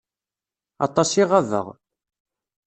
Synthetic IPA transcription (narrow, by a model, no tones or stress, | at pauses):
ɑ̰t̪ˤɑsiʁɑðə̰ʁ